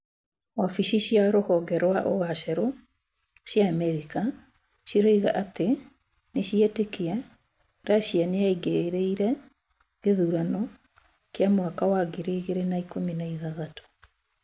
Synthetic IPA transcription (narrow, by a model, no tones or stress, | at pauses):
wafiʃiɕjaɾohɔɡɛɾwaʔoɣaʃɛɾo | ɕjaːmɛɾika | ɕiɾoiɣaʔate | neɕiɛtekea | ɾaɕianeaiɡeɾeiɾɛ | ɣeðuɾanɔ | keamwakawaɡeɾeːɣeɾenaikominaiðaðato̥